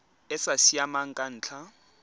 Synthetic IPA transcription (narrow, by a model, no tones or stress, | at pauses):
ɛsasiamaŋ̩kʼan̩ːt͡ɬʰa